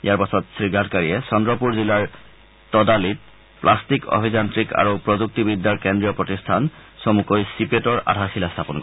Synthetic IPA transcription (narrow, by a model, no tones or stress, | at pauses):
ijaɹpasɔtsɹiɡʱatkaɹiɛsɔndɹɔpuɹzilaɹ | tɔdalit̚ | plʔastikɔ̰bʱizantɹika̰ɹopɹɔzuk̚tibidʱːaɹkendɹijɔpɹɔtistʰansɔmukojsipetɔɹʔa̰dʱaxilastʰapɔnk